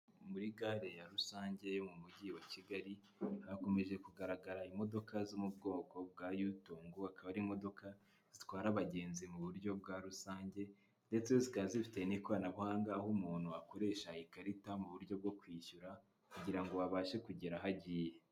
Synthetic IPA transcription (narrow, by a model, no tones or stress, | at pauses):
muɾiɡaːɾe̞jaɾusaːɲɟe̞jomumuɟiwaciɡaɾi | ako̞me̞ʒe̞kuɡaɾaɡaɾaimo̞do̞kazumubɡo̞ːko̞b̚ɡaːjuːtoːŋɡuakaβaɾimo̞do̞ka | z̥itwaːɾaβaɟe̞ːnzimuβuɾɟo̞bɡaɾusaːɲɟe̞ | nde̞t͡sezikazifi̥tenikwaːnaβuhaːŋɡaːhumuːn̥huako̞ɾe̞ːʃaikaɾitamuβuɾɟo̞b̚ɡo̞kwiːʃuɾa | kuɟiɾaŋɡo̞waβaːʃe̞kuɟeɾaɦaɟiːje̞